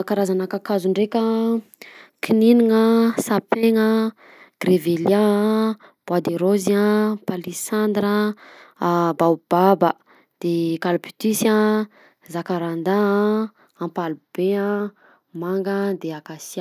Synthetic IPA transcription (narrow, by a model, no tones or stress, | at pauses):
kaɾazanakakazuɳɖ͡ʐekʲə | kʰininiŋəsapeŋə | ɡ̥revelja | b̥ad̪eɾoziãpalisand̪ɾə | bawb̥abə | d̪̥ekalpy̥t̪isa | zakaɾand̪a | ãmpalub̥eã | maŋɡəd̪eakasia